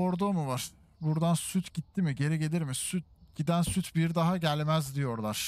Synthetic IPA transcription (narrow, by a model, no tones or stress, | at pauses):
oɾd̪omuvaɾ̥ | buɾd̪ansyt̪ʰɟit̪ʰːimiɟe̞ɾɛɟe̞lʲiɾmisyt̪̚ɟid̪ænsyt̪ʰbiɾd̪aɦaɟælʲmæzd̪ijo̞ɾlˠaɾ̥